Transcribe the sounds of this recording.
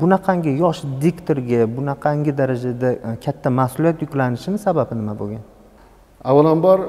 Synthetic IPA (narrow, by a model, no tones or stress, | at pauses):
bʊnaqʰɑŋɡʲɪjɒʃd̪ikt̪ʰoɾɡʲabʊnaqʰɑŋɡʲɪd̪aɾad͡ʒad̪akʲʰat̪ʰːamahsʊlijat̪jʊkʲlanɪʃɪnɪsababɪnɪmabo̰ɡʲan | awalanbɒɾ